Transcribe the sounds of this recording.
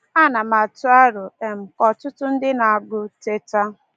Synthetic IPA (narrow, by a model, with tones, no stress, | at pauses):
a˦na˨ma˨tʊ˦a˦ɾʊ˨e˨m̩˨kɔ˨tʊ˦tʊ˦n̩˦dɪ˦na˨a˨ɡʊ˦te˦ta˦